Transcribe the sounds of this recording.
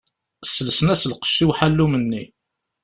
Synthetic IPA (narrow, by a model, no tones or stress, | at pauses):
sːələsənæsəlqə̥ʃːiwħalːumənːi